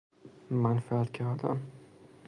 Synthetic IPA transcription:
manfaat̪kʲʰaad̪a̰m

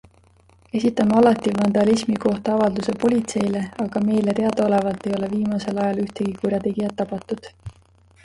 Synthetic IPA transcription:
e̞sit̪ːˑɑmeɑlɑt̪ːivɑnd̪ɑlismiko̞ht̪ɑɑvɑld̪use̞po̞lʲit̪se̞jle̞ɑɡ̥ɑme̞jlet̪e̞ɑd̪ɑo̞le̞vɑlt̪ːe̞jo̞le̞viːmɑse̞lɑjɑlyht̪eɡ̥ikurʲjɑt̪e̞ɡijɑt̪ːɑpɑt̪ːˑud̪̥

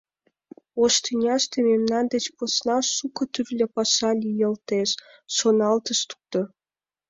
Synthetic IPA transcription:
oʃt̪inʲɑʃt̪ememnɑnd̪et͡ɕposnɑʃukə̆t̪yrlʲepɑʃɑlʲijə̆lt̪eʃ | ʃonɑlt̪əʃt̪u̥k̚t̪o

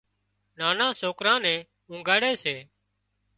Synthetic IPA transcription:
naːnãːsoːkɾãːnɛ̃ː | ũːŋɡaːɽeːseː

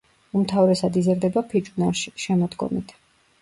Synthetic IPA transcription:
umt̪ʰavɾɛsad̪izɾd̪ɛbapʰid͡ʒʼunaʃiʃɛmɔd̪ɡɔ̰mit̪ʰ

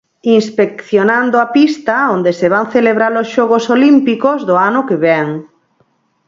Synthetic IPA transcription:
inspek̚θjonãnd̪oapist̪aond̪eseβaŋθeleβ̞ɾalosʃɔɣosolimpikozðoanʊkeβɛŋ

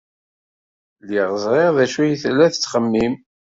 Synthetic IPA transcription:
liʁəzˤʁeʁðæʃujiθlæθət͡sːχəmːim

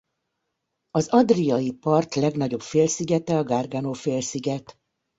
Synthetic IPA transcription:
ɒzɒd̪rijɒjipɒrt̪lɛɡnɒɟo̞pfeːlsiɡɛt̪ɛɒɡarɡanoːfeːlsiɡɛt̪

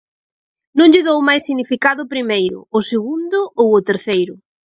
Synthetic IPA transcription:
nõŋʎɪðowmajsːiɣnifikaðʊpɾimejɾʊ̰ːseɣund̪ʊʔowʊt̪eɾθejɾʊ

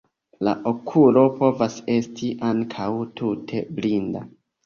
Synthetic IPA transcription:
la̰ʔo̞kʰulo̞po̞vase̞stʰiʔaŋkʰawtʰutʰe̞blinda

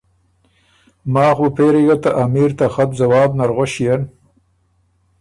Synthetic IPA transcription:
mɑːxupeɾejat̪aʔamiːɾt̪axab̪zawɑːbnaɾɣoʃijen

